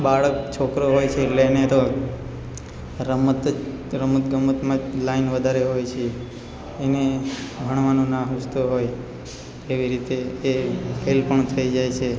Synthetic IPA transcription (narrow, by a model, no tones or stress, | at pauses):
baɭək̚t͡ʃʰokɾoɦojt͡ʃʰeːlenet̪o | ɾəmət̪ | ɾəmət̪ɡəmːət̪mãlainʋəd̪ʱaɾeɦojt͡ʃʰeː | neɡʱəɳ̃ʋanũnãɦust̪oɦoj | eʋiɾit̪eː | ɦelpəɳt̪ʰəid͡ʒajt͡ʃʰe